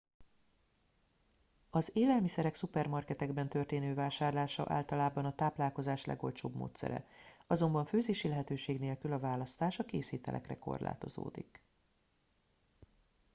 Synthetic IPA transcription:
ɒzeːlɛlmisɛɾɛksupɛrmɒrkɛt̪ɛɡbɛnt̪ø̞rt̪eːnøːvaːʃaːrlaːʃɒ̰ʔa̰ːlt̪ɒlaːbɒnɒt̪aːplaːlko̞zaːʃlɛ̰ɡo̞lt͡ʃo̰ːbmo̰ːt̪sɛ̰ɾɛ̰ɒzo̞mbɒɱføːzeːʃilɛɦɛt̪øːʃeːɡneːlkylɒvaːlɒst̪aːʃɒkeːsiːt̪ɛ̰lʔɛ̰krɛ̰ko̞̰rla̰ːt̪o̞̰zo̰ːd̪ik

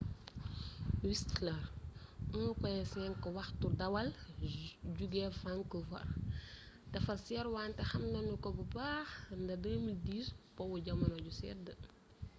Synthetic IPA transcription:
wistlɐr | unukɔjɛsɛːnkɔwɐxturdɐwɐl | ɟuɡɛfaŋkəfɐ̰r | dɐfɐsɛɾwaːntɛxɐmnɐnukɔbubaːxndɐdəːmildiːspɔwuɟɐmɐnɔɟusɛ̰də

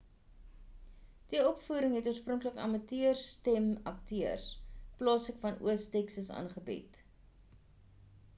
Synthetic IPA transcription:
d̥iɔpfuːɾəŋɦɛtuəsprɔŋkləkɐ̰mɐtiərstɛmɐktiərsplɑːsəkfɐnṵəstɛksəsɑ̰ːnχəbɛ̰t

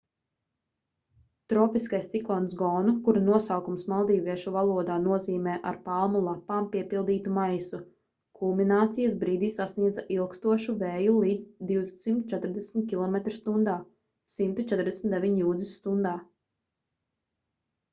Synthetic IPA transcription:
t̪ɾɔːpiskajst̪siklˠɔnsɡɔːnukuɾanuɔsawkumsmalˠd̪iːvʲiɛʃuvalˠuɔd̪aːnuɔziːmɛːʔa̰ɾpalˠmulˠapːaːmpiɛpilˠd̪iːt̪umajsu | kʰulˠminaːt̪sijɐsbɾiːd̪iːsasniɛd̪zaʔilˠkst̪uɔʃuvɛːjulˠiːd̪zd̪iwsimt̪u̥t͡ʃɛt̪ɾd̪ɛsmʲt̪̚kʲilˠɔmet̪ɾst̪und̪aː | simt̪ut͡ʃɛt̪ɾd̪eɛsmʲt̪d̪eʋiɲjuːd̪zisːt̪und̪aː

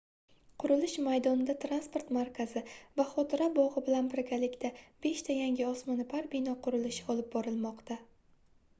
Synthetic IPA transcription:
qʰʊɾʊlɪʃmajd̪ɒnɪd̪at̪ʰɾanspoɾt̪maɾkʲʰazɪvaχɒt̪ʰɪɾabɒʁɨbɪlanbɪɾɡʲalɪkʲt̪ʰab̥e̞ʃt̪ʰajaŋɡʲɪɒsmɒnɪpʰaɾbɪnɒqʰʊɾɪlɪʃɪɒlˠɪp̚bɒɾɪlˠmɒqt̪ʰa

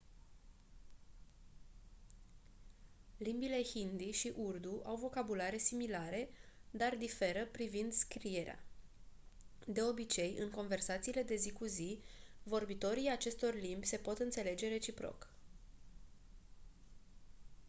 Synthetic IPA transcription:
limbile̞hind̪iʃiʔurd̪uʔawvo̞kabulaɾe̞similaɾe̞d̪ard̪ife̞ɾəpɾivind̪skɾie̞ɾea̰ | d̪e̞o̞bit͡ʃe̞jɨ̰ŋko̞nve̞rsat̪siːle̞d̪e̞zikuzivo̞rbit̪o̞ɾijat͡ʃe̞st̪o̞rlimbʲse̞po̞t̪ɨnt̪se̞le̞d͡ʒe̞ɾet͡ʃipɾo̞̰k

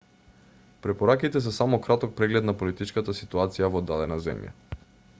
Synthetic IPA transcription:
pɾɛpoɾakit̪ɛs̬əsamokɾat̪ok̚pɾɛɡlɛt̪napolit̪it͡ʃkət̪əsit̪uat̪sijavod̪ːalɛnazɛ̰mja̰

